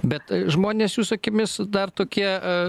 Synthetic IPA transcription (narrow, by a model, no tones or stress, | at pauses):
bʲɛt̪ʒmoːnʲeːsjuːsʊkʲɪmʲɪsd̪ɐrt̪oːkʲiɛ